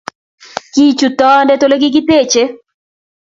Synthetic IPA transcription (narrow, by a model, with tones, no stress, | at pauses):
ki˦t͡ʃu˨tɔ˦ndɛ˦to˦le˦ɡɪ˦ɡɪ˦te˦˨t͡ʃe˦